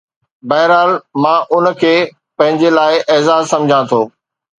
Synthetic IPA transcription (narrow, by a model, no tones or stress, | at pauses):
bɐɦɪɾaːlmãːʔʊnkʰeː | pɐ̃ɦɪ̃ɲd͡ʑelaːɪʔeːzaːzsɐ̃md͡ʑʱãt̪ʰoː